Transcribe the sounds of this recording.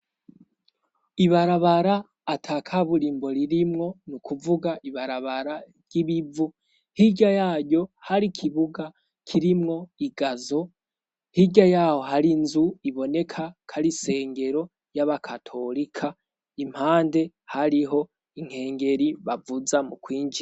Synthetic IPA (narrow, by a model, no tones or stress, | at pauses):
iβaɾaβaɾaː | tʰaːkʰaβuɾiːmbo̞ɾiɾimŋo̞nukʰuvuɡaʔiβaɾaβaɾa | ɾjɟ̥iβivu | hiɟajaːɟɟo̞haɾikʰiβuɡa | kʰiɾimŋo̞iɡazo̞ | hiɟajaho̞ɦaɾinzuiβo̞ne̞kʰakʰaɾise̞ːŋɡe̞ɾo̞ | jaβakʰatʰo̞ɾikʰa | im̥haːnde̞ | haɾiɦo̞ | iŋ̥he̞ːŋɡe̞ɾiβavuzamukwiːŋɡiɾ